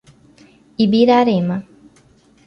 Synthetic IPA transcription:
ibiɾaɾema

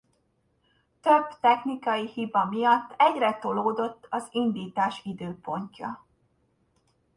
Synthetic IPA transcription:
t̪øb̥t̪ɛxnikɒjihibɒmijɒt̪ːɛɟrɛt̪oloːd̪o̞t̪ːɒzind̪iːt̪aːʃid̪øːpo̞ɲcɒ

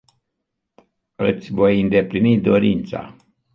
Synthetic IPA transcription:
ɨt̪sʲvo̞jɨnd̪e̞plinid̪o̞ɾint̪sa̰

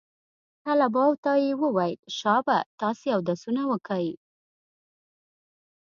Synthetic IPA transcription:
h̪alabɑwt̪ɑjewəwaj̪ʃɑbat̪ɑsejawd̪asunawəkəj

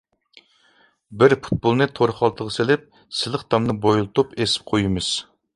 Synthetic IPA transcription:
bɪɾpu̥t̪̚bolˠnɨt̪ʰoɾχɑlˠt̪ʰəʁəselɪp̚ | sɪlˠəχt̪ʰɑmnɨbojulˠɨt̪upesɪ̥p̚qʰojimɨz̥

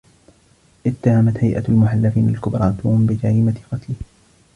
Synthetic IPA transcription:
ʔɪt̪ːahamat̪hajʔa̰lmʊħalːafiːnalkʊbɾˤɑːt̪ʊːmbɪd͡ʒaɾiːmat̪ɪqɑt̪lɪh

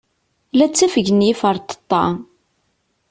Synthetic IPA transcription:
læt͡sːæfəʝənjifəɾˤt̪ə̥t̪ˤːɑ̰

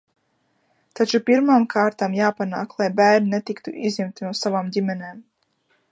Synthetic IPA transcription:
t̪at͡ʃupiɾmaːmkʰaːɾt̪amjaːpanaːklˠajbæːɾninɛt̪ikt̪uʔizʲɛmt̪inuɔsavaːmdʲimʲɛneːm

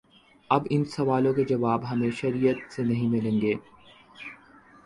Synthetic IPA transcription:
ɐbɪnsɐʋaːlõked͡ʒɐʋaːbɦɐmẽʃɐɾijət̪senɐɦĩmɪlẽːŋɡeː

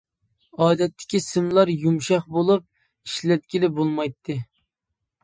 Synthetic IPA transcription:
ɑːd̪ɛt̪ʰːɪ̥kʲisɪmlˠɑɾjumʃɑχbolˠup̚ | iʃlɛt̪̚kʲilɪbolˠmɑjt̪ʰːɨ

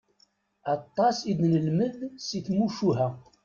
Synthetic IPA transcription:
ɑt̪ˤːɑsid̪nəlməðsiθmuʃuɦæ

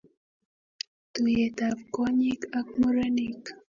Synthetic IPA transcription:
t̪ʊjet̪apkoɲikakmʊɾanik

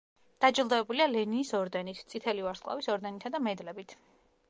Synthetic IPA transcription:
d̪̥ad͡ʒilˠd̪ɛɛbulialɛninisɔɾd̪ɛnit̪ʰt̪sʼit̪ʰɛlivaɾsqʼlˠa̰visɔɾd̪ɛnit̪ʰad̪amɛd̪lɛbit̪ʰ

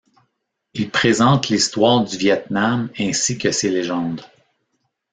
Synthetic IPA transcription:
ilpχezɑ̃t̪list̪wɑːʁd̪yvjɛt̪̚namɛ̃sikʲəseleʒɑ̃d̪

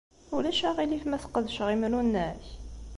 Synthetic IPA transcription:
ulæʃæʁilifmæθə̥qːəðʃʁimɾunːæç

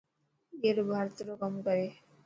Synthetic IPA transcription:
eɾbʱaɾt̪ɾokɔmɡɔe

